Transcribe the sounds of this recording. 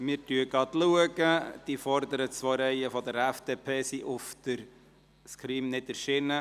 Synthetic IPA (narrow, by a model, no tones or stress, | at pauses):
mɪɾtyəɡɑd̥̪luəɡəd̥ifɔɾd̪əɾətsʋɔɾɛɪəfɔd̪əɾæfd̥̪eːpʰeːsiʔʊfd̪̥əɾ | skʰɾiːmnɪdɛɾʃɪnə